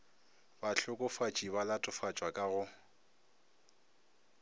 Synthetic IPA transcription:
baɬʊkʼʊfat͡ʃʼibalatʼʊfat͡ʃʼwakʼaɣʊ

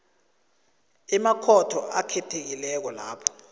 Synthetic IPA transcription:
ɛmakʰɔtʰɔʔakʰɛtʰek̬ilɛk̬ɔla̰ːpʰɔ̥

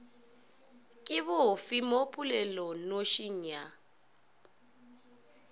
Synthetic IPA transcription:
kʼɪβʊfimopʰʼulɛlɔnoʃiɲa

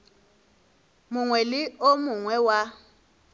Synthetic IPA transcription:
mʊŋwɛlɪomuŋwɛwa

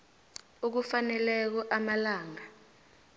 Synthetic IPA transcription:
uk̬ufanɛlɛk̬ɔʔamalaːŋa

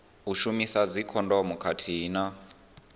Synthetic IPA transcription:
uʃumisad͡zikʰɔndɔmukʰatʰina

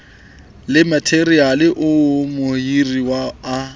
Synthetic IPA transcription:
lɪmatʰerialɪʔʊmʊhiriwaː

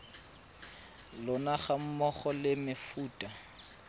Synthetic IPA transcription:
lɔnaχam̩mɔχɔlɪmɪfuːtʼa

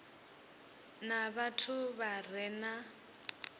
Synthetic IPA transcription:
naβatʰʊβar̤ɛna

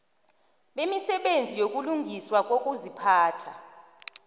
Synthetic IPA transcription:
ɓemisɛɓend͡zʱijok̬ʼuluŋɡʱiswak̬ʼokʼuzipʰaːtʰa

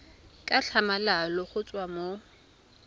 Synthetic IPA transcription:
kʼaɬʰamalalɔχʊt͡sʼwamo

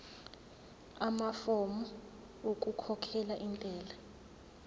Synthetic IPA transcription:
amafɔmɔ | okʼukʰɔkʰɛlaʔint͡ɬʼɛːla

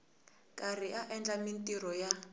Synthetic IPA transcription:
kʼariʔaʔɛnd͡ɮamintʼirɔja

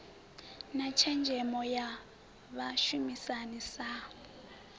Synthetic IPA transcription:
nat͡ʃʰɛnd͡ʒʱɛmɔja | βaʃumisanisa

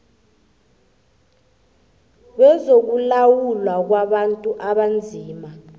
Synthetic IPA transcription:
ɓɛzok̬ulawulwak̬waɓantʼuʔaɓand͡zʱiːma

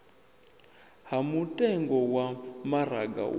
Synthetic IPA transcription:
hamutʼɛŋɡɔwamaɾaɡa̰

